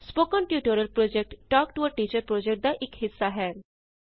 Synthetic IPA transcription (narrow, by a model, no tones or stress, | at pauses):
spokənʈjuːʈoɾəlpɾod͡ʑek̚ʈːɔːkʈuʋəɾʈiːt͡ɕəɾpɾod͡ʑek̚ʈ̚d̪aʔekɦisːaɦɛːɾ